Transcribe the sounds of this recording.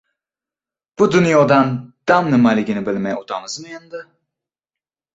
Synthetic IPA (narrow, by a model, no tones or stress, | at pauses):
b̥ud̪ynjod̪and̪̥amnɯmalʲiɡinibelʲmɛjɛut̪ʰamɯzmajɯnd̪ɯ